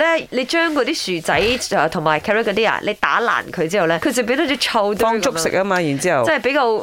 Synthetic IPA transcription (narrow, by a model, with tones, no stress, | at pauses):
lɛː˥le˨˧jt͡ʃœː˥ŋkɔː˨˧t̪iː˥syː˨˩t͡sɐ˨˥jɛː˨t̪ʰʊ˨˩ŋmaː˨˩jkʰɛː˧˥ɛ˥kːɔ˨˧t̪̬iː˥a̰˨˩lʔe˨˧jt̪aː˨˥la̰ː˨˩nkʰɵ˨˧ɥt͡siː˥hɐ˨wlɛː˥kʰɵ˧t͡sɐ˨˩pi˧˥d̪a˧˥tt͡ʃɔː˨˥t͡ʃʰɐ˧wt̪ɔː˥ŋt͡sʊ˥kssɪ̰˨k̚ʔɐ˥maː˧jiː˨˩nt͡siː˦˥hɐ˨wt͡sɐ˥nhjpe˨˥jkaː˧w